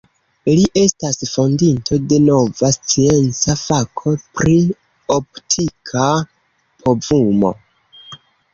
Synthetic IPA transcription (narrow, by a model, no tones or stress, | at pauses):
liʔe̞stasfondintʰo̞de̞no̞vast͡sie̞nt͡safakʰo̞pɾi | optʰikʰa | pʰo̞vumo̞̰